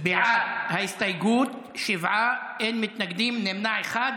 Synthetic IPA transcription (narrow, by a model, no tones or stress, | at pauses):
bɪʕad̪haɪst̪ajɡuːt̪ | ʃɪvʕa | ʔenmɪt̪naɡd̪iːmnɪmnaʕexaːd̪